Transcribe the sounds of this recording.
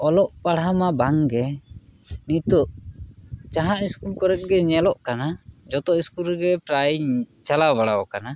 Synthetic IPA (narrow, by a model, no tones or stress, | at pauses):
ɔlɔʔpaɽɦamabaŋɡɛ | nit̪uʔ | t͡ʃaɦaʔiskulkɔɾɛt̪̚ˀɡɛɲɛlɔʔkanad͡ʒɔt̪ɔiskuɾɡɛpɾajt͡ʃalaβaɽawɔkana